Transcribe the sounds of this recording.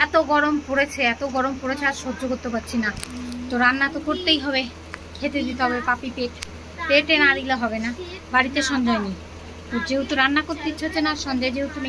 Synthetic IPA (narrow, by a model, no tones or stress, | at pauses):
ɛt̪oɡɔɾompoɽet͡ɕʰeɛt̪oɡɔɾompoɽet͡ɕʰaɾʃod͡ʑokoɾt̪ːepaɾt͡ɕʰinat̪oɾanːat̪okoɾt̪ejɦɔβe | kʰet̪ed̪it̪eɦɔbepapipeʈ | peʈenaɾiloɦɔβenabaɽit̪eʃɔnd͡ʑɔeni | t̪od͡ʑeut̪oɾanːakoɾt̪iot͡ɕʰːenaɾʃɔnd͡ʑed͡ʑeut̪uni